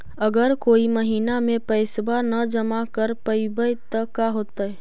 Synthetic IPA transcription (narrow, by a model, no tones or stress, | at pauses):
əɡəɾkoːiməɦiːnamẽpəɪsbanəd͡ʒəmakəɾpəɪbəjt̪əkːaɦoːt̪aɛ